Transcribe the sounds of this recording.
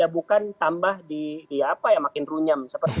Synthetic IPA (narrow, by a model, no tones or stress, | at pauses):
abukant̪ambahdidiapajaŋmakɪnruɲamsəpərt̪